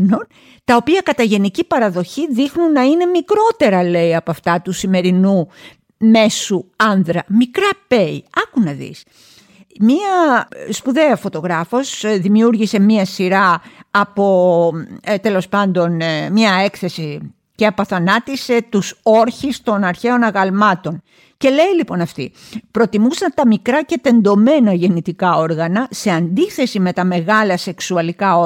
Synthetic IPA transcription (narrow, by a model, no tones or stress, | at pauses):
non | t̪ɐo̞piɐkɐt̪ɐʝe̞nicipɐɾɐðo̞çiðixnunːɐine̞mikɾo̞t̪e̞ɾɐle̞iɐpɐft̪ɐt̪usime̞ɾinu | me̞suɐnðɾɐmikɾɐpe̞iɐkunɐðḭs | miɐspuðe̞ɐfo̞t̪o̞ɣɾɐfo̞sðimiuɾʝise̞miɐsiɾɐːpo | t̪e̞lo̞spɐnd̪o̞nmɲɐe̞kθe̞si | ce̞ɐpoθɐnɐt̪ise̞t̪usoɾçist̪o̞nɐɾçe̞o̞nɐɣɐlmɐt̪o̞n | ce̞le̞ilipo̞nɐft̪ḭ | pɾo̞t̪imusɐnt̪ɐmikɾɐce̞t̪e̞nd̪o̞me̞nɐʝe̞nit̪ikɐo̞ɾɣɐnɐse̞ɐnd̪iθe̞sime̞t̪ɐme̞ɣɐlɐse̞ksuɐlikɐo